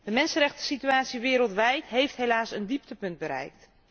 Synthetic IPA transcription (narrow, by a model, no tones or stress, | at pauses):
d̥əmɛnsənrɛχtə̥sityaːtsiʋɪːɾəlˠtʋɛjtɦejftɦejlaːsəndiptəpɵnd̚bəɾɛ̰jk̚t